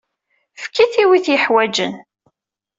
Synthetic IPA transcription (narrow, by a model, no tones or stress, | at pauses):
fkːiθiwiθjəħwæd͡ʒə̰n